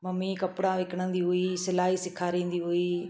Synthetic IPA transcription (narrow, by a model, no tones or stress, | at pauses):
mɐmːiːkɐpːɽãːʋeːkəɽ̃ə̃nd̪iːɦʊiːsɪlaːɦiːsɪkʰːaːɾẽːnd̪iːɦoiː